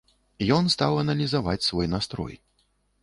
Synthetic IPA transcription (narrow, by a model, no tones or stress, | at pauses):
jɔnst̪awɐnɐlʲizava̰t͡sʲsvɔjnast̪ɾɔ̰j